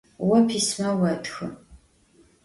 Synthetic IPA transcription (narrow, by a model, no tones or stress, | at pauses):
wɐpʰismɐwɐtʰxɨ̰